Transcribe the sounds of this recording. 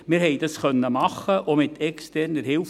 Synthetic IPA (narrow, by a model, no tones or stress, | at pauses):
mɪɾɦɛjd̥ɑsχœnːəmɑχːəʔomɪt̪ʰɛkstɛrnəɾhɪlf